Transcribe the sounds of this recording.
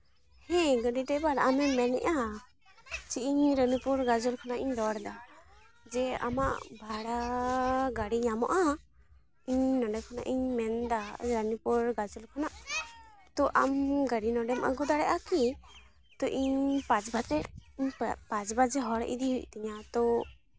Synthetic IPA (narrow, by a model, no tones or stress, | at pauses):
hɛ̃ɡəɖiʈɛbaɾamɛmɛnɛ̰ʔa | t͡ʃiʔiɲɾənipuɾɡad͡ʒulkʰanaʔiɲd̪ɔɽɛd̪a | d͡ʒɛa̰ma̰ʔbʱaɽa | ɡaɽiɲamɔ̰ʔa | iɲnɔɖɛkʰana̰ʔiɲmɛnd̪aɾənipɔɾɡad͡ʒulkʰanaʔ | t̪ɔʔamɡaɽinɔ̃ɖɛmʔa̰ɡud̪aɽɛʔaki | t̪ɔʔiɲpat͡ʃbad͡ʒɛiɲpãt͡ʃbad͡ʒɛɦɔɽʔḭd̪iɦuc̚t̪iɲat̪ɔ